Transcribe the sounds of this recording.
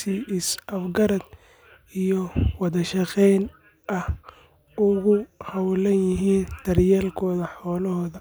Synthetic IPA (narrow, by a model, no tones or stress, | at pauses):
siɪsɐfɡɐɾɐd̪ | ijɔwɑðɐʃɑqɛjn | ʔɐh | ʊɣʊhɐwlɐnjɪɦiːnd̪̥ɐrjaːlkʰɔːðɐħɔːlɔhɔːðɐ